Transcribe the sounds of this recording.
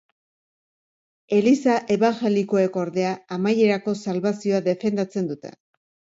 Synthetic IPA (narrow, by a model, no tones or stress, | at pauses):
e̞lisaʔe̞βaŋxe̞liko̞e̞ko̞ɾðe̞aːmaje̞ɾako̞salβasio̞aðe̞fe̞nd̪at͡se̞nd̪ut̪e̞̰